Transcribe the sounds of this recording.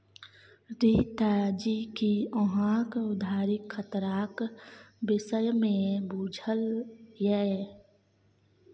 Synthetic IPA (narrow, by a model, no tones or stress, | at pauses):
ɾiːt̪aːd͡ʒiːkiɔɦãːkʊd̪ʱaːɾɪkʰxət̪ɾaːkbɪsəjmẽbuːd͡ʒʱəljɛː